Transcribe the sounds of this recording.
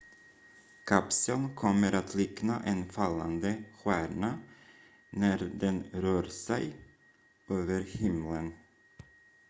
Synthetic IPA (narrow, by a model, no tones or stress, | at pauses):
kʰapsəlnkʰɔmːəɾʔat̪ʰlɪknaʔɛnfalːa̰nd̪əɧæːɳa | næɾd̪ɛnɾœːɾsɛj | øːvəɾhɪmlən